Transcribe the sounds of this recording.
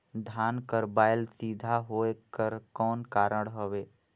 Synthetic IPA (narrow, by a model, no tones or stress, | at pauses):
d̪ʱaːnkəɾbaːɪlsiːd̪ʱaɦoːekəɾkɔːnkaːɾəɽ̃ɦəʋeː